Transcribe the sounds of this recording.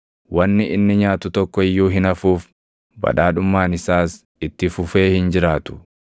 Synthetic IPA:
wɐnːɪʔɪnːɪɲaːt̪ʊt̪ɔkːɔɪjːuːɦɪnɐfuːf | bɐ̰ᶑaːᶑʊmːaːnɪsaːs | ɪt̪ːɪfʊfe̞ːhɪnd͡ʒɪɾaːt̪ʊ̥

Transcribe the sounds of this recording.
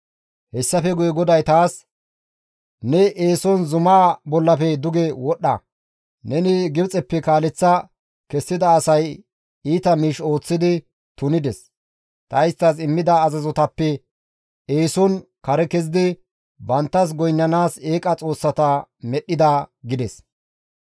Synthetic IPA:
hɛsːɐfɛɡʊjɛɡɔd̪ɐjt̪aːs | nɛʔeːsɔnzʊmaːbɔlːɐfɛd̪ʊɡɛwɔɗːɐ̰ | nɛnɪɡɪbt͡sʼɛpːɛkaːlɛt͡sːɐ | kɛsːɪd̪ɐːsɐj | iːt̪ɐmiːʃo̞ːt͡sːɪd̪ɪ | t̪ʊnɪd̪ɛs | t̪ɐjɪst̪ːɐsɪmːɪd̪ɐːzɐzɔt̪ɐpːɛ | eːsɔn | kɐɾɛkɛzɪd̪ɪ | bɐnt̪ːɐs̬ɡɔjnːɐnaːse̞ːkʼɐt͡sʼo̞ːsːɐt̪ɐmɛɗːɪd̪ɐɡɪd̪ɛs

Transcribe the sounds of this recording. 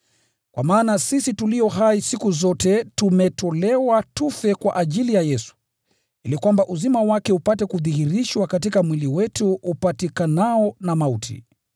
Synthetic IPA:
kwʔa̰maːnasisitulijɔɦaisikuzɔtɛtumɛtɔlɛwatufɛkwa̰ʔaʄilijajɛsu̥ | ilikwambaʔuzimawakɛupatɛkuðihiɾiʃwakatikamwiliwɛtuʔːpatikanaɔnamautʰḭ

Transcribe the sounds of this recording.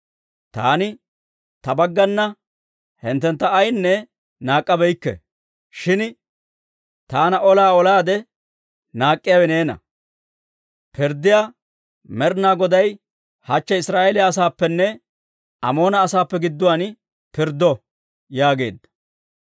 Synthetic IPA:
t̪a̰ːnɪ | t̪ɐbɐɡːɐnːɐ | hɪnt̪ːɛnt̪ːɐːjnːɛ | naːkʼːɐbɛjkːɛ̰ | ʃɪn | t̪aːnɐʔɔlaːɔlaːd̪ɛ | naːkʼːɪjaːwɛne̞ːnɐ̰ | pɪɾd̪ːɪjaː | mɛɾnaːɡɔd̪ɐj | hɐt͡ʃːɐɪsɾaːelɪaːs̬aːpːɛnːɛ | ɐ̰mo̞ːnɐːsaːpːɛɡɪd̪ːʊwan | pɪɾd̪ːɔ | jaːɡe̞̰ːd̪ːɐ̥

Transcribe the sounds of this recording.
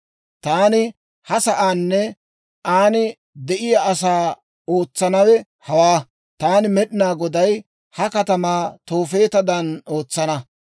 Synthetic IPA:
t̪aːnɪ | hɐsɐʔaːnːɛ | ʔaːnɪ | d̪ɛʔɪjaʔɐsaː | oːt͡sːɐnɐwɛ | hɐwaː | t̪aːnɪmɛɗɪnaːɡɔd̪ɐj | hɐkɐt̪ɐmaːt̪o̞ːfe̞ːt̪ɐd̪ɐno̞ːt͡sːɐnɐ

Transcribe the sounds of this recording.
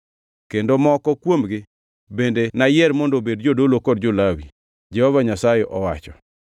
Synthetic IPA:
kendomɔkɔkwomɡɪ | bendenajɛɾmɔndobedd͡ʒodolokɔdd͡ʒolawḭ | d͡ʒɛhɔvaɲasajeʔɔwa̰t͡ʃɔ

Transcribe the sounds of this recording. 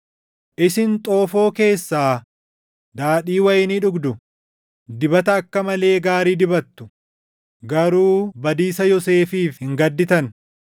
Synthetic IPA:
ʔɪsɪnt̪ʼo̞ːfo̞ːke̞ːsːaː | d̪aːᶑiːwɐjɪnɪᶑʊɡd̪ʊ | d̪ɪbɐt̪ɐːkːɐmɐle̞ːɡaːɾiːd̪ɪbɐt̪ːʊ̥ | ɡɐɾuːbɐd̪iːsɐjɔse̞ːfiːfhɪŋɡɐd̪ːɪt̪ɐn

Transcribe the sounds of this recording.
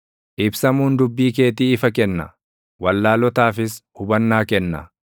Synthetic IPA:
ʔɪbsɐmuːnd̪ʊbːiːk̬e̞ːt̪̬iːɪfɐkɛnːɐ̰ | wɐlːaːlɔt̪aːfɪshʊbɐnːaːkɛnːɐ̰

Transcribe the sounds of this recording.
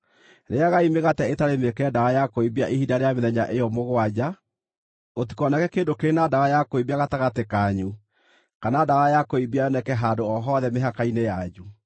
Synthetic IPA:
ɾeaɣaimeɣatɛetaɾemekɛɛdaɣajakoibiaʔihidaɾeameðɛɲaʔejɔmoɣwad͡ʑa | ɣot̬i̥kɔnakɛkeːndokeɾenadawajakoibiaɣataɣatekaɲu | kanadawajakoibiajɔnɛkɛɦaːdoɔɦɔðɛmeɦakainejad͡ʑu

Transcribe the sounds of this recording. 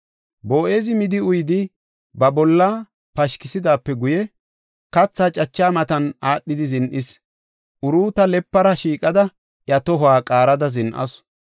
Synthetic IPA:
boːʔeːzɪmɪd̪ɪʊjd̪ɪ | bɐbɔlːa | pɐʃkɪsɪd̪aːpːɛɡʊjɛ | kɐt͡sːaːt͡ʃʼɐt͡ʃːaːmɐt̪ɐnaːɗːɪd̪ɪzɪnʔɪs | ʔʊɾuːt̪ɐlɛpːɐɾɐʃiːkʼɐd̪ɐ | ʔjɐt̪ɔɦaːkʼaːɾɐd̪ɐzɪnʔɐ̰s

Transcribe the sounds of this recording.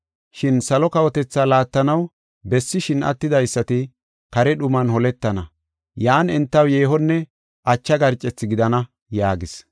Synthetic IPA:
ʃɪnsɐlɔkɐwɔt̪ɛt͡sːaːlaːt̪ːɐnɐw | bɛsːɪʃɪnɐ̰t̪ːɪd̪ɐjsːɐt̪ɪ | kɐɾɛɗʊmɐnhɔlɛt̪ːɐnɐ̰ | jaːnɛnt̪ːɐwjeːɦɔnːɛ | ʔɐt͡ʃːɐɡɐɾt͡ʃʼːɛt͡sːɪɡɪd̪ɐnɐ | jaːɡɪs

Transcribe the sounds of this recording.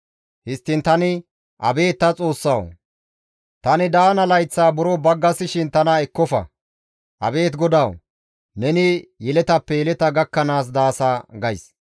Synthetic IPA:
hɪst̪ːɪnt̪ɐnɪ | ʔɐ̰be̞ːt̪ːɐt͡sʼo̞ːsːɐw | t̪ɐnɪd̪aːnɐlɐjt͡sːaːbʊɾɔbɐɡːɐsɪʃɪnt̪ɐnɐɛkːɔfɐ̰ | ʔɐ̰be̞ːt̪ɡɔd̪ɐw | nɛnɪjɛlɛt̪ɐpːɛjɛlɛt̪ɐɡɐkːɐnaːs̬d̪aːsaːɡɐjs

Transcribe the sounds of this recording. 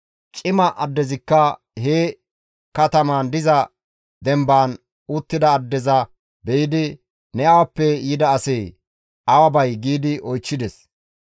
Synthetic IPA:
t͡ʃʼɪmɐʔɐd̪ːɛzɪkːɐ | heː | kɐt̪ɐmaːnd̪ɪzɐ | d̪ɛmbaːn | ut̪ːɪd̪ɐːd̪ːɛzɐ | bɛjɪd̪ɪ | nɛɐwɐpːɛjɪd̪ɐːsɛj | ʔɐwɐbɐjɡiːd̪ɪʔɔjt͡ʃːɪd̪ɛs

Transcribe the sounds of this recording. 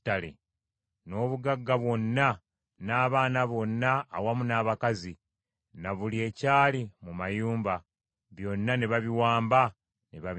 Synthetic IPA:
tːalḛ | no̞ːβuɡaɡːaβwo̞nːa | naːβaːnaβo̞nːaːwamunaːβakazi | naβulie̞ːcaːlimumajuːmba | βjo̞nːaneβaβiwaːmba | neβa

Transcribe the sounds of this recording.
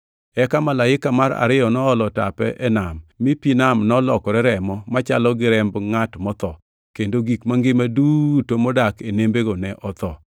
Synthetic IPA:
ɛkamalaɪkamaɾa̰ɾɪjɔnɔːlɔta̰pɛ̰ʔɛnamːipinamnɔlɔkɔɾɛɾɛmɔmat͡ʃalɔɡɪɾɛmbŋatmɔt̪ɔ | kendoɡikmaŋɡɪmadutomɔdakenembeɡonɛʔɔt̪ɔ

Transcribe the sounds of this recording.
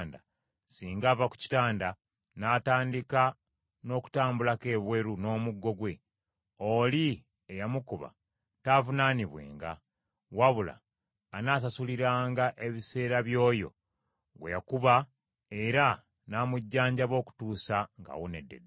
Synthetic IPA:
nda | siːŋɡaːvaku̥ci̥taːnda | naːtaːndika | no̞ːku̥taːmbulake̞ːβwe̞ɾuno̞ːmuɡːo̞ɡwe̞ | oli | ejamukuβa̰ | tavunaːniβwe̞̰ːŋɡa̰ | waβula̰ː | naːs̬asuliɾaːŋɡaʔe̞βise̞ːɾaβjo̞ːjo̞̰ | ɡwejakuβa | e̞ɾa | namuɟːaːɲɟaβo̞ːku̥tuːsaŋɡa̰wone̞̰dːe̞̰d

